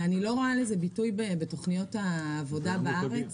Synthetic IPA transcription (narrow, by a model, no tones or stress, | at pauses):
anilo̞ʁaalezebitujbebeto̞χnijo̞taːvo̞dabaʔaʁet͡s